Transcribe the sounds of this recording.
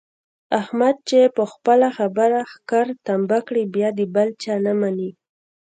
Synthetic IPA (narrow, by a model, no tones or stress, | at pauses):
ahmad̪̚t͡ʃepəxpəlaxabəɾaxkaɾt̪ambakɽibjɑd̪əbalt͡ʃɑnamani